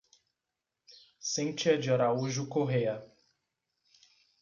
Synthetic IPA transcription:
sẽt͡ʃiɐd͡ʒiɔɾauʒʊkoɦejɐ

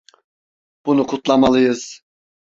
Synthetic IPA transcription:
b̥unukʰut̪lˠamalˠɯjɯz̥

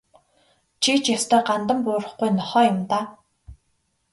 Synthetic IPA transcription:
t͡ɕʰit͡ɕjast̪ʰœːɢant̪ə̆mpʊːrə̆χɡujnɔχɔːjʊ̆mt̪aː

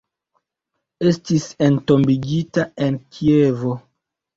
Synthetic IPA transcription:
estisentombiɡitaenkʰievo

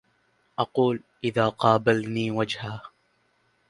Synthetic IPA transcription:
ʔɑquːlʔɪðaːqɑːbalniːwad͡ʒhaː

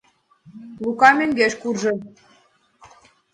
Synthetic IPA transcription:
lukɑmɘ̆ŋɡeʃkurʒɤ̆

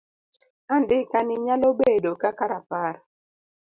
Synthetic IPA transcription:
andɪkanɪɲalobedokakaɾapaɾ

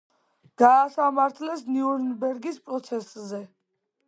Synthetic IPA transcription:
ɡ̥aːsamaɾt̪ʰlɛsniuɾnbɛɾɡispʼɾɔt̪sʰɛszɛ

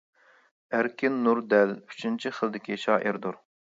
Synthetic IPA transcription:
æɾkʲʰinːuɾd̪ɛlyt͡ʃʰynt͡ʃʰiχəlˠd̪ɪkʲiʃɑːʔiɾd̪uɾ

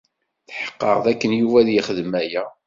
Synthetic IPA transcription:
θħə̥qːə̰ʁðækːənjuvæðjəχəðmæjæ

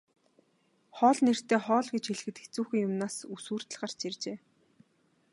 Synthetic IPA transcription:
χɔːɮner̥t̪eːχɔːɮɡet͡ɕxeɮ̆xɘ̆t̪ext͡suːxɘ̆ŋjʊmnaːsusuːr̥t̪ə̆ɮɢar̥t͡ɕert͡ɕeː

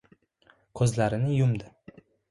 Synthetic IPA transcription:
kʰɵzlaɾɪnɪjʊmd̪ɪ

